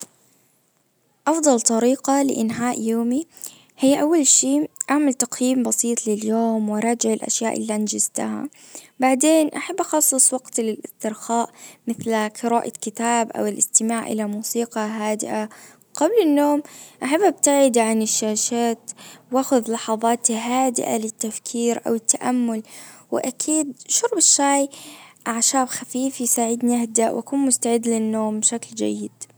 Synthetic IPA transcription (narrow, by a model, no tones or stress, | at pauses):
ʔɑfd̪ˤɑlt̪ˤɑɾiːqɑlɪ̰ʔɪnɦaːʔjoːmi | hɪjːaʔawːalʃiːʔaʕmalt̪aqjiːmbɑsiːt̪ˤlɪljoːmwɑɾˤɑːd͡ʒɪʕɪlʔa̰ʃjaːʔɪ̰lːiʔand͡ʒɪzt̪aha̰ | baʕd̪eːnʔaħabːʔɑxɑsˤːɨsˤwɑɡt̪lɪlɪst̪ɪɾxaːʔmɪθlqʰɨɾaːʔakɪt̪aːbʔa̰wɪlʔɪst̪ɪmaːʕʔɪ̰lamuːsiːqɑɦaːd̪ɪ̰ʔa | ɡablɪnːoːmʔaħabːʔab̚t̪aʕɪd̪ʕanɪʃːaːʃaːt̪waːxʊðlɑħɑðˤɑːt̪ɦaːd̪ɪ̰ʔa̰lɪt̪ːafkʰiːɾʔa̰wɪt̪ːaʔamːʊlwɪʔakʰiːd̪ʃʊɾˤbɪʃːaːjʔaʕʃaːbxafiːfjsaːʕɪd̪niʔahd̪aʔwʔa̰kuːnmʊst̪aʕɪd̪ːlɪnːoːmbʃakld͡ʒa̰jːɪd̪̥